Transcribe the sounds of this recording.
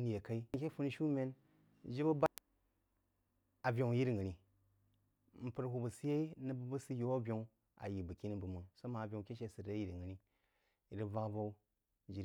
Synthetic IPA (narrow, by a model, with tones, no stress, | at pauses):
n˨je˨ka˦i˦kʲe˦fu˦n˦ʃu˦mʲe˦n˦ | d͡ʒi˦bu˦ba˦ | a˨bʲo˨ŋ˨ji˦ɾŋɨ˨ni˨ | m̩˨pɨ˦ɾhu˨bu˨si˦je˦i˦nɨ˦bu˨bu˦sɨ˦jo˦wa˦bʲo˨ŋ˦ | a̰˨ji˨bɨ˨ki˦ni˦bɨ˨mu˨ŋso˦ma˨bʲo˨ŋ˦kʲe˦ʃe˦˨sɨ˨ɾa˦ji˨ɾŋɨ˨ni˦ | i˨ɾi˦va˦ba˦u˦ | d͡ʒi˦ɾ